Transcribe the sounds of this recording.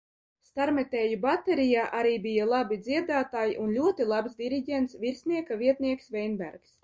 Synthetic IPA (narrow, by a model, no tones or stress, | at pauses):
st̪aɾmɛt̪ɛːjubat̪eɾijaːʔaɾiːbijalˠabid̪ziɛd̪aːt̪aːjiʔunlʲuɔt̪ilˠabsd̪ʲiɾiɟʲent̪sviɾsʲniɛkaviɛt̪niɛksvɛjnbæ̰ɾks